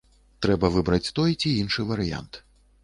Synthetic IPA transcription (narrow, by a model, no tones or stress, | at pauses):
t̪ɾɛbɐvɨbɾɐt͡sʲt̪ɔjt͡sʲiinʂɨvɐɾɨja̰nt̪